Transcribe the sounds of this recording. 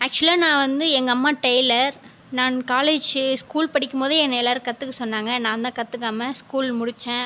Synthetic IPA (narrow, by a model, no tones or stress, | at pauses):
ɐk̚t͡ʃʊlaːnãːʋɐnd̪ɯɛŋɡɐɐmːaːʈɐɪlɐɾ | nãːnkaːleːd͡ʒskuːlpɐɽɪkːɯmpoːðɯɛnːɐlaːɾkɐt̪ːɯkːɯsɔnːaːŋɡɐnãːɐnd̪aːkɐt̪ːɯkːaːmɐskuːlmʊɽɪt͡ʃːẽː